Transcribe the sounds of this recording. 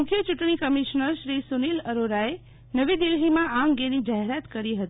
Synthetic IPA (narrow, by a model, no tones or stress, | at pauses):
mʊkʰjət͡ʃʊʈɳ̃ikəmiʃnəɾʃɾisuniləɾoɾae | nəʋid̪ɪlɦimããŋɡenid͡ʒaɦeɾat̪kəɾiɦət̪i